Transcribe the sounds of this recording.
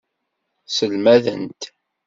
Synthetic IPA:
səlmæðənt̪

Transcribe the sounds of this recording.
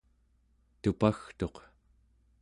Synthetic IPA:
t̪upaxt̪o̞q

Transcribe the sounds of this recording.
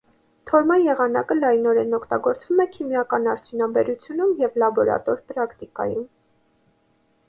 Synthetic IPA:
t̪ʰɔɾmɑnjɛʁɑnɑkəlɑjnɔɾɛnɔkʰt̪ɑɡɔɾt͡svumɛkʰimjɑkɑnɑɾt͡sʰjunɑbɛɾut͡sʰjunumjɛvlɑbɔɾɑ̰t̪ɔɾpɾɑkt̪ikɑ̰jum

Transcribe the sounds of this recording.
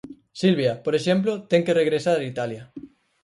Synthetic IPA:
silβjapoɾeʃemp̬lot̪eŋkereɣ̞ɾesaɾait̪alja

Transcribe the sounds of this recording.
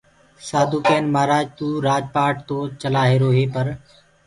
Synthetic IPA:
saːd̪uːkeːnmaːɾaːd͡ʒt̪uːɾaːd͡ʒpaːʈ̚t̪oːt͡ʃəlaːɦeːɾoːɦeːpəɾ

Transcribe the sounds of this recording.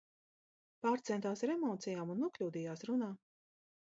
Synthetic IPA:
paːɾt̪sɛnt̪aːsɾemɔːt̪sijaːmunːuɔklʲuːd̪ijaːsɾunaː

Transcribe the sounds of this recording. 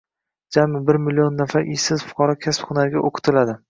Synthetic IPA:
d͡ʒamɪbɪɾmɪlionːafaɾɪjsɪz̥fʊ̥qʰɒɾɒkʲʰasphʊnaɾɡʲaʔoqʰɨ̥t̪ʰɪlad̪ɪ

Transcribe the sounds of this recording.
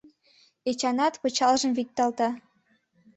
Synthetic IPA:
et͡ɕɑnɑt̪pɤ̆t͡ɕɑlʒɤ̆mβik̚t̪ɑlt̪ɑ

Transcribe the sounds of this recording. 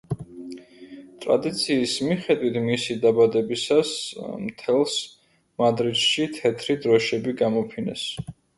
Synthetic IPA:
t̪ʼɾa̰d̪it̪sʰiːsmiχɛd̪wit̪ʰmisid̪abad̪ɛbisasmt̪ʰɛlˠs | mad̪ɾid̪ʃit̪ʰɛt̪ʰɾid̪ɾɔʃɛbiɡamɔpʰinɛ̰s

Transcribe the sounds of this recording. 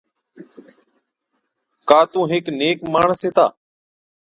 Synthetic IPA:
kaːt̪ũːɦɪkneːkmaːɳseːt̪a̰ː

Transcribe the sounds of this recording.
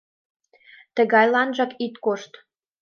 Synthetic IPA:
t̪ə̆ɣɑjlɑnʒɑkit̪koʃt̪

